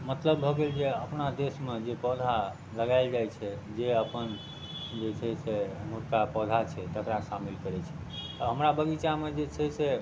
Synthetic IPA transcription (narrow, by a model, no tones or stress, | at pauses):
mət̪ləbːʱɔɡeld͡ʒeəpnad̪esmed͡ʒepɔd̪ʱa | ləɡaɪld͡ʒajt͡ʃʰɛd͡ʒeəpən | d͡ʒet͡ʃʰɛsemuɾkapɔd̪ʱat͡ʃʰɛt̪ək̪ɾasamilkəɾɛt͡ʃʰɛ̥ | t̪əɦəmɾabəɡit͡ʃamed͡ʒet͡ʃʰɛse